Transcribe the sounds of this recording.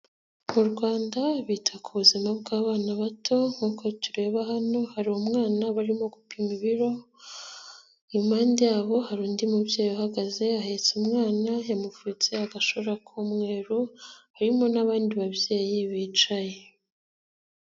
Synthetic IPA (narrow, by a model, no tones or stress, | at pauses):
muɾɡwaːndaβiːtʰakʰuβuzimabɡaːβaːnaβatʰo̞ŋ̥uːko̞tuɾe̞ːβaɦano̞haɾihomŋaːnaβaɾimo̞ɡupimiβiɾo̞ | maːndejaːβo̞haɾuːndimubje̞ːjohaɡaze̞ahe̞t͡sumŋaːnajemufut͡seaɡaʃoɾakʰomŋe̞ːɾuhaɾimo̞naβaːndiβaβje̞ːjiβiːt͡ʃaje